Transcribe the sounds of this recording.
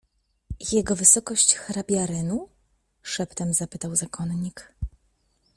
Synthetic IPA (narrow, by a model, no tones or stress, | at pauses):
jɛɡɔvɘsɔkɔɕt͡ɕxɾabʲjaɾɘnu | ʂɛpt̪ɛmzapɘt̪awzakʰɔnɲik